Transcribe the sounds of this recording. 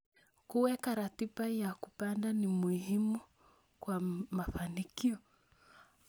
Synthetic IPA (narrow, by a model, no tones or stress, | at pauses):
kuwɛkaɾatiɓajakupandanimuhimu | kwamafanikiɔ